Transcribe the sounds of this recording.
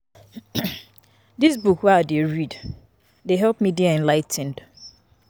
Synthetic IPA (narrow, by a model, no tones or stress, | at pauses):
dis̬bukwɛadeɹid | deɦɛlpmidiaɛ̃nlaɪtʰɛ̃n̩d̥